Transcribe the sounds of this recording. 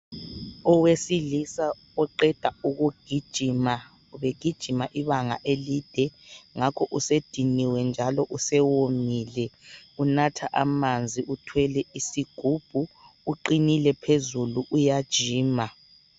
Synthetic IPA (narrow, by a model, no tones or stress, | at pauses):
ɔwesilisa | ɔǃɛd̥ʱauɣuɡ̥ʱid̥ʒ̥ʱima | βeɡ̥ʱid̥ʒ̥ʱimaʔiβaŋa̰ʔelid̥ʱɛŋakʰɔʔused̥ʱiniwɛnd͡ʒʱalɔʔusɛwomilɛunatʰaʔamand͡zʱiutʰwɛlɛisiɡ̥ʱub̥ʱuːǃinilɛpʰezuluʔujad̥ʒ̥ʱiːma